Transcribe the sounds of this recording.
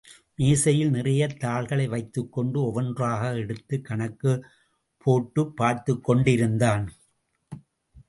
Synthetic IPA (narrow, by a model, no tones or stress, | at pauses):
meːsɐjɪlnɪrɐjɐt̪ːaːɭɣɐɭɐɪʋɐɪt̪ːɯkːɔɳɖɯɔʋɐndraːɣɐɛɽɯt̪ːɯkːɐɳɐkːɯ | pʰːoːʈːɯpːaːɾt̪ɯkːɔɳɖɪɾɯnd̪aːn